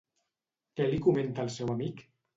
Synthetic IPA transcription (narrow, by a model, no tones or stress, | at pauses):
kɛlikumẽnt̪alˠsɛwamik